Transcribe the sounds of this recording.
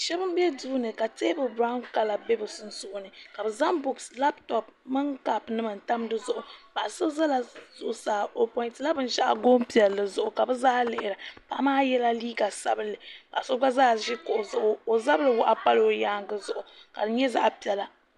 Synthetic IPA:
ʃɛ˦bɨ˦m˦bɛ˦duː˦nɨ˨ka˨teː˦bɨ˨bɾa˦ʊ˦nka˨la˨be˦bɨ˨sɨ˦n̩˦sʊ˦ʔʊ˦nɨ˨ka˨bɨ˨za˦mbu˨ksla˦ptɔ˨p̚mɨ˦ŋka˨pnɨ˦mɨ˨n̩˨ta˦m˦dɨ˦zʊ˦ʔʊ˨ba˨so˦za˦la˨zʊ˦˨ʔʊ˨saː˨˦o˨pɔ˦ntla˦bɨ˦n˦ʃa˦ʔa̰˨ɡo˦mpi˨ɛ˨lːɨ˨zʊ˦ʔʊ˨ka˨bɨ˦zaː˦lɪ˨ʔɪ˨ɾa˨pa˦ʔa˦maː˦jɛ˦la˦liː˦ɡa˨sa˦bɨ˦lːɨ˨ba̰˨ʔa˨sʊ˦ba˦zaː˦ʒɪ˦kʊ˨ʔʊ˨zʊ˦ʔʊ˦o˨za˦bɨ˦lɨ˨wʊ˦ʔa˨pa˦lo˨ja˦ŋɡɨ˦zʊ˨ʔʊ˨ka˨dɨ˨ɲɛ˦za̰˦ʔpi˨ɛ˨la˨

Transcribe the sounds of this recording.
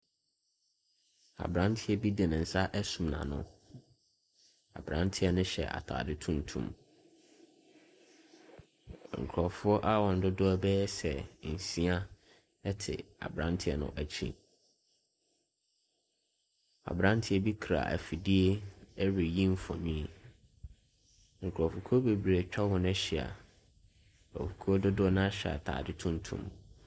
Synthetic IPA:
a̰˨bɾã˦n˦tʰɪ˦ɛ˦bi˦dɪ˨nɪ̃˨n̩˨sa˦ʔɛ˦sũ˨mnã̰˨nʊ̰̃˦ | a̰˨bɾã̰˦n˦tʰɪ˦ɛ˦nʊ̃˦ɕɛ̰˨ʔa̰˨tʰa̰ː˨dɪ˦tʰũ˦n˨tʰṵ̃˦m | ŋ̩˨kʰɾɔ˨fʊ˦ɔ˦ʔa˦wɔ̃˨n̩˨dʊ˦dʊ˦bɛ˦ɛ˦sɛ˨n̩˨sĩ˦a˦ | ɛ˦tʰɪ̰˨a̰˨bɾã˦ntʰɪ˦ɛ˨nʊ̰̃˨ʔæ˨t͡ɕʰḭ̃˦ | a̰˨bɾã˦ntʰɪ˦ɛ˨bi˦kʰɾa̰˨ʔæ̰˨fi˨di˦e˦ɛ˦ɥi˨jĩ˦m˦fɔ̰̃˨ɲĩ˦˨ | ŋ̩˨kʰɾɔ˨fʊ˨kʰu˦ɔ˦be˨bɾe˨t͡ɕᶣa˦wɔ˨nɛ˦ɕɪ˨a̰˨ | ɔ̰˨fu˨kʰu˦ɔ˦dʊ˦dʊ˦nã˦ɕa̰˨tʰa̰ː˨dɪ˦tʰũ˦n˦tʰṵ̃˦m

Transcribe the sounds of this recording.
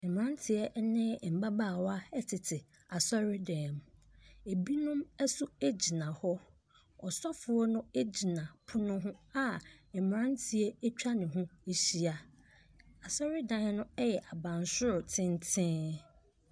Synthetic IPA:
m˨ɾã˦n˦tʰɪ˨ɛ˦nɪ̃˦˨m̩˨ba˦ba˦˨wa˦ɛ˦tʰɪ˨tʰɪ˨ | a˨sɔ˦ɾɪ˦dɛ̃˨m˨e˨bi˦nʊ̃˦mɛ˦su˦e˦d͡ʑi˨nã˨hɔ˦ | ɔ˨sɔ˦fʊ˨ɔ˦nʊ̃˦e˦d͡ʑi˨nã˨pʰʊ˦nʊ̃˦ɦʊ̃˦a˦ɛ˨m˨ɾã˦n˦tʰɪ˨ɛ˦e˦t͡ɕᶣa˦nɪ̃˨ɦʊ̃˦e˦ɕi˦a˨ | a˨sɔ˦ɾɪ˦dɛ̃˨˦nʊ̃˦ɛ˦jɛ˨ʔa˨bã˨n˨sʊ˦ɾʊ˨tʰɪ̃˦n˦tʰɪ̃˦

